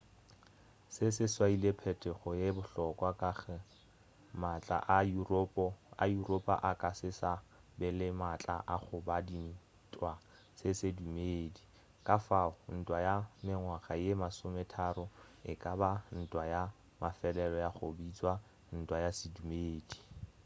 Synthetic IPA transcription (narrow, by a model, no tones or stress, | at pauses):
sɪsɪswailepʰɛtʰʼɛχɔjebʊɬɔkʼwakaχɛ | mat͡ɬʼa̰ʔapajuropʼa̰ʔakʼasɪsabɪlɪmat͡ɬʼa̰ʔaχʊbadin̩ | tʼwa | sɪsedumeːdi | kʼafaʊn̩tʼwajamɪŋwaχajemasʊmɛtʰaɾɔ | ɪkʼaban̩tʼwaja | mafɛlɛlɔjaχʊbit͡sʼwa | n̩tʼwajasɪdumeːdi